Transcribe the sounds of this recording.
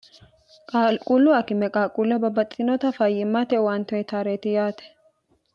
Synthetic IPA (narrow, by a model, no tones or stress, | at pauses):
kʼalkʼulːʊɐkɪmɛkʼaːkʼulːɐbɐbɐtʼːɪnɔt̪ɐfɐjɪmːɐt̪ɛwɐnt̪ɔɛt̪ʰaːɾeːt̪ɪjaːt̪ɛ̥